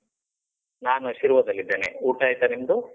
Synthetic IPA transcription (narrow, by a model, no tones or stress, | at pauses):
naːnuʃiɾʋɐd̪ɐlːid̪ːeːnḛuːʈaːjt̪ɐnimɐd̪u